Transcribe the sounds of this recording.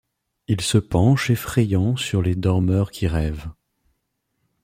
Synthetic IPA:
ilsəpɑ̃ʃefχɛjɑ̃syʁled̪ɔʁmœʁkʰʲiʁɛv

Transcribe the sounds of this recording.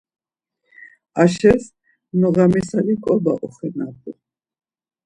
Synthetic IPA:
aʃɛs | nɔɣamisalikʼɔbaʔɔχɛnab̪ʼu

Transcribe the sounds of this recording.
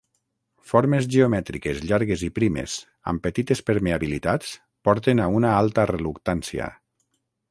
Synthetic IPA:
foɾmezʒeomɛt̪ɾikezʎaɾɣezipɾimḛz̥ | a̰mpət̪it̪espəɾmeaβilit̪at͡s | pɔɾt̪enaunaalˠt̪ərelukt̪ansia̰

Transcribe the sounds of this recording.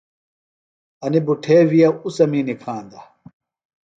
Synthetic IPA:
ɐnibuʈʰeːwijɐusɐmiːnikʰãːnd̪ɐ

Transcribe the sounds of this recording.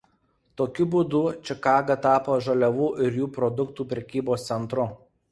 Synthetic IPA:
t̪oːkʲʊbuːd̪ʊt͡ʃʲɪkɑːɡɐt̪ɑːpoʒɐlʲɛʋuːʔɪɾjuːpɾɔd̪ʊkt̪uːpʲɾʲɛkʲiːboːst̪sʲɛnt̪ɾʊ

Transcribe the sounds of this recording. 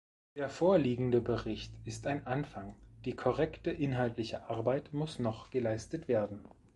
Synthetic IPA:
d̥eːɐfoːɐliːɡŋ̩dəbəʁɪçtɪstaɪnʔanfaŋd̥iːkʰɔʁ̞ɛktəʔɪnɦaltlɪçəʔaɐbaɪtmʊsnɔχɡ̥əlaɪstətv̥eːɐdn̩

